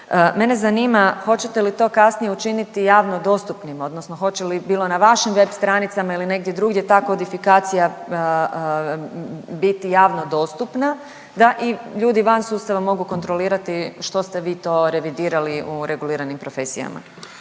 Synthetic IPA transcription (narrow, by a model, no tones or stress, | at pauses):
əme̞ne̞zaniːmaxo̞t͡ɕe̞t̪elit̪o̞ːkasnijeut͡ʃinit̪ijaːʋnod̪o̞st̪upnimo̞d̪nosno̞xo̞t͡ɕe̞libiːlˠo̞naʋaʃimʋe̞bst̪ɾanit̪samailine̞ɡ̚d̪jed̪ɾuɡje̞t̪aːkood̪ifikaːt̪sija | bit̪ijaːʋno̞d̪o̞ːst̪upna | d̪aʔiʎuːd̪iʋansuːst̪aʋamo̞ɡuko̞nt̪ɾo̞liːɾat̪iʃt̪o̞st̪e̞ʋiːt̪o̞ːɾe̞ʋid̪iːɾaliʔuɾʔe̞ɡuliːɾanimpɾo̞fe̞sija̰ma̰